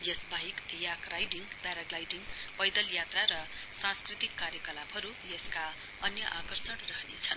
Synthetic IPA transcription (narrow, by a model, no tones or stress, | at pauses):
jʌsbaɦikjakrajɖiŋpaɾaɡlajɖiŋpʌjd̪ʌljat̪raɾʌ | sãnskrit̪ikːaɾjʌkʌlabɦʌɾujeska | ʌnjʌʔakʌrsʌnrʌɦnḛt͡sʰʌn